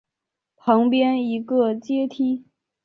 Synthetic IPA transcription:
pʰɑ˧˥ŋpjɛ˥ni˧˥ɡə˧t͡ɕjɛ˥t̪ʰi˥

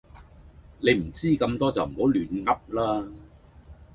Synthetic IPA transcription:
ne˨˧jm̩˨˩t͡siː˥kɐ˧mt̪ɔː˥t͡sɐ˨wm̩˨˩ho˨˥wlyː˨˩nŋɐ˥p̚laː˥

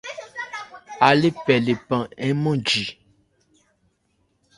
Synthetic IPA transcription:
a˨le˦pɛ˨le˨pã˨ɛ˦mɔ̃˦d͡ʒi˨

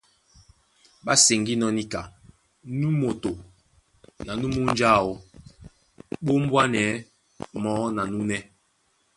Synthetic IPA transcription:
ɓa˦se˨ŋɡi˦nɔ˦ni˦ka˨ | nu˦mo˨to˨ | na˨nu˦mu˦n˦d͡ʒa˦˨o˨ | ɓo˦m̩˦bwa˦nɛ˨˦ | mɔ˦na˨nu˦nɛ˦

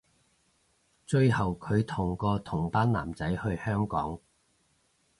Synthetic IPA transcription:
t͡ʃɵ˧ɥɦɐ˨wkʰɵ˨˧ɥt̪ʰʊ˨˩ŋkɔː˧t̪ʰʊ˨˩ŋpaː˥nla̰ː˨˩mt͡sɐ˨˥jhɵ˧ɥhœː˥ŋkɔ̰ː˨˥ŋ

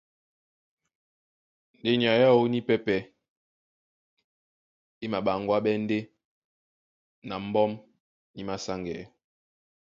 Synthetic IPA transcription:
n˨de˦ɲi˨a˨ja˦˨wo˦ni˦pɛ˦pɛ˦ | i˦ma˨ɓa˨ŋɡwa˦ɓɛ˦n̩˦de˦ | na˨m̩˦bɔ˦m | ni˦ma˦sa˦ŋɡɛ˨˦

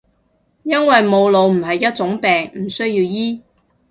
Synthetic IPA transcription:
jɐ˥nwɐ˨jmo˨˧wlo˨˧wm̩˨˩ɦɐ˨jːɐ˥t̚t͡sʊ˨˥ŋpɛː˨˩ŋm̩˨˩sɵ˥ɥjiː˧wjiː˥

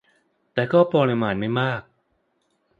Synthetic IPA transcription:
t̪ɛː˨˩kɔː˥˩pɔː˧li˧maː˧nma˥˩jmaː˥˩k̚

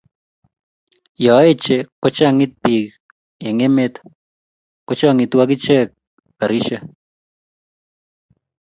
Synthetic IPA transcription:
jɔ˨˦e˦t͡ʃe˦ko˦t͡ʃa˦˨ŋɪ˦t̪̚pi˨k | e˨ŋe˦me˦t̪ | ko˦t͡ʃɔ˦a˦ŋɪ˨t̪wa˦k̬ɪ˦t͡ʃe˦k̚ | ka˨ɾi˦ʃa˦

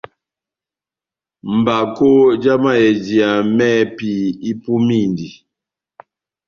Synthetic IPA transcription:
m̩˨ba˨ko˦d͡ʒa˦ma˦˨jɛ˨d͡ʒi˨a˨mɛ˦pi˨i˦pu˦mi˦˨ndi˨

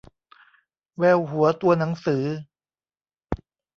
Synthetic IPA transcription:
wɛː˧whu˩˦ɐt̪u˧ɐna˩˦ŋsɯː˩˦

